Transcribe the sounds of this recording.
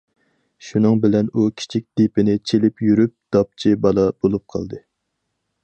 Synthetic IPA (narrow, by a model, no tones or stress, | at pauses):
ʃunɨŋbɪlɛnukʲʰi̥t͡ʃʰik̚ʲd̪̥ipɪnɪt͡ʃʰelɪpjyɾyp̚d̪̥ɑp̚t͡ʃʰibɑlˠɑb̥olˠup̚qʰɑ̰lˠd̪ɨ